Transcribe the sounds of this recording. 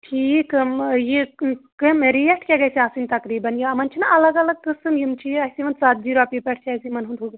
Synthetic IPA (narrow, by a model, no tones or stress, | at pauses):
ʈʰiːkɐmjikɐmeɾijɐʈʰkʲaɡɐsiaːsinʲt̪ɐkɾiːbɐnjiɐmɐnt͡ʃʰinɐʔɐlɐɡɐlɐɡ̚kɨsɨmjimt͡ʃʰijɐjsiʋɐnsaːt̪̚d͡ʒiːɾoɐːpipɐʈʰt͡ʃʰɐːjsimɐnɦund̪ʱuɡɐ